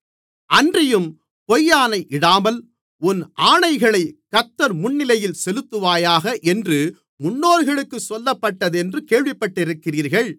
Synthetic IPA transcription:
ʔɐndrɪjɯm | pɔjːaːnɐɪʔɪɽaːmɐl | ʊnʔaːɳɐɪɣɐɭɐɪkːɐt̪ːɐɾmʊnːɪlɐjɪlsɛlɯt̪ːɯʋaːjaːɣɐʔɛndrɯ | mʊnːoːɾɣɐɭɯkːɯsɔlːɐpːɐʈːɐðɛndrɯkeːɻʋɪpːɐʈːɪɾɯkːɪriːɾɣɐɭ

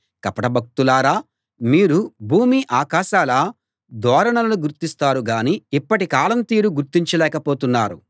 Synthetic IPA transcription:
kɐpɐʈɐbʱɐk̚t̪ulaːɾaː | miːɾubʱuːmiʔaːkaːʃaːlɐ | d̪ɔːɾɐɳɐlɐnuɡuɾt̪ist̪aːɾuɡaːniipːɐʈikaːlɐnt̪iːɾuɡuɾt̪ːiɲt͡ʃɐlɛːkɐpoːt̪unːaːɾṵ

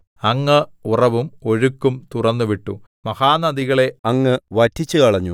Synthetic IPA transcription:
ɐŋːɐurɐʋumo̞ɻukːumt̪urɐnːuʋiʈːṵ | mɐhaːnɐd̪iɣɐɭe̞ɐŋːɨʋɐtʰːit͡ɕːukɐɭɐɲːṵ

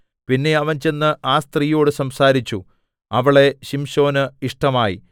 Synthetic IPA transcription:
pinːe̞ɐʋɐnt͡ɕe̞nːɨʔaːst̪riːjo̞ːɽɨsɐmsaːɾit͡ɕːu | ɐʋiɭe̞ɕimɕo̞ːnɨiʂʈɐmaːjḭ

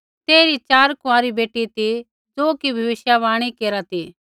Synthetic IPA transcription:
t̪eːɾit͡ʃaːɾkʊaːɾibeːʈːit̪i | d͡zoːkibʱɐʋɪʃjaʋaːɽ̃ikeːɾat̪i

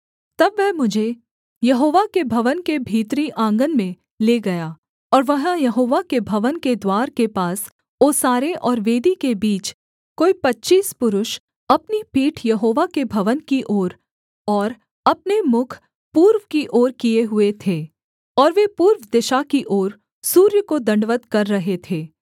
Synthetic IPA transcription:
t̪ɐbʋɛɦmʊd͡ʒʱe | jɐɦoːʋakebʱɐʋənkebʱiːt̪ɾiʔãːŋɡənmẽ | leːɡɐjaː | ɔːɾʋɐɦãjɐɦoːʋakebʱɐʋənked̪waːɾkepaːs | oːsaːɾeʔɔːɾʋeːd̪ikebiːt͡ʃ | koːipɐtːʃiːspʊɾʊʃ | ɐpnipiːʈʰjɐɦoːʋakebʱɐʋənkiʔoːɾ | ɔːɾ | ɐp̚nemʊkʰ | puːɾʋkiʔoːɾkieɦʊet̪ʰeː | ɔːɾʋepuːɾʋd̪ɪʃakiʔoːɾ | suːɾjəkod̪ɐ̃ɳɖʋət̪kɐɾːɐɦet̪ʰeː

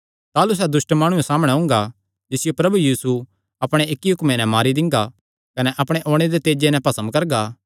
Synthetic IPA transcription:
t̪aːlus̬ɛːd̪ʊsʈmaːɽ̃ũesaːməɽ̃ɛɦʊ̃ːŋ̆ɡa | d͡ʒɪsɪjopɾɐbujiːsu | ɐpɽ̃eɪkːiɦʊkmenɛ̃maːɾid̪ɪ̃ŋɡa | kɐnɛʔɐpɽ̃eʔoːɽ̃ed̪et̪eːd͡ʒenɛ̃pɐsə̃mbkɐɾɡa

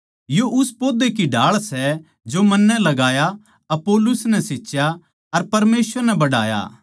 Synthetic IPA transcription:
joʔʊspoːd̪ekiɖʱaːɭsɛ | d͡ʒomɐnːɛlɐɡaːja | ɐpoːlʊsnɛseːt͡ʃja | ɐɾpɐɾmeːsʋəɾnɛbɐɽa̰ːja̰ː

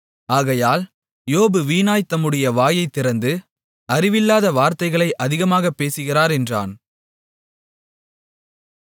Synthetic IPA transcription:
aːɣɐjaːl | joːbɯʋiːnaːjt̪ːɐmɯɽɐjɐʋaːjɐɪt̪ːɪɾɐnd̪ɯ | ɐrɪʋɪlːaːðɐʋaːɾt̪ɐɪɣɐɭɐɪʔɐðɪɣɐmaːɣɐpːeːsɯɣɪraːɾɛndra̰ːn

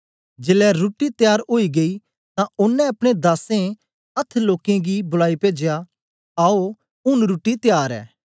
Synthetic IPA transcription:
d͡ʒeːlɛɾuːʈːit̪jaːɾoːiɡei | t̪ãʊnːɛ̃ɐpɽ̃ed̪aːsẽ | ɐt̪ʰːloːkẽɡibʊlaːipeːd͡ʒja | aːo | ʊnɾuːʈːit̪jaːɾɛ̰ː

